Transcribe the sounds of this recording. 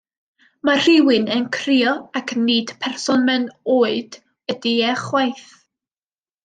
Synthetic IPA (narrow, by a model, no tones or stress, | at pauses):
mar̥ɪwɨnɛnkʰriɔakʰniːd̥pʰɛrsɔnmɛnoːɨd̥ | ədiɛχwajθ